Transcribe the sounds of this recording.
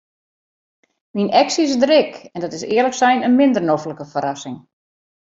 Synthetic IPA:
minɛksiɪsdəɾɪkɛndɔtɪsɪələksɛjnənmɪndərnofləkəfəɾasɪŋ

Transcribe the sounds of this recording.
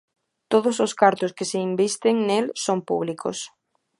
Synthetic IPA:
t̪oð̞ʊsoskaɾt̪ʊskeseimbist̪eŋnelsompṵβliko̰s

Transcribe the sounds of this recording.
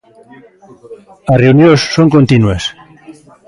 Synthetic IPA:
areunjosːoŋkont̪inues

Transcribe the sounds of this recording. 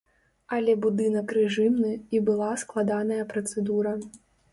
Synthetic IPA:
ɐlʲɛbud̪ɨnɐkrɛʐɨmnɨibɨlˠasklˠad̪anɐjɐpɾɐt̪sɛd̪uɾɐ

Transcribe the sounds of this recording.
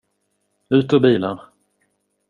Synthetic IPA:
ʉ̟ːt̪ɔbiːlan

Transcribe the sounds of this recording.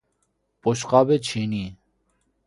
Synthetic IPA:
poɕqaːbet͡ɕʰini

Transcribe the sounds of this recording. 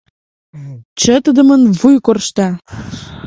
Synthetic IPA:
t͡ɕə̆t̪əd̪ə̆mənvujkorʃt̪ɑ

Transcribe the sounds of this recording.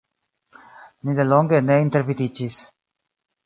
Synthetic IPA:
nid̪eloŋɡeneint̪eɾvid̪it͡ʃis

